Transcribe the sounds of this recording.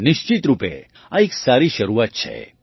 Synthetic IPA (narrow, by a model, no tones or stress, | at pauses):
nɪʃt͡ʃit̪ɾupḛ | ãeksaɾiʃəɾuʋat̪̚t͡ʃʰḛ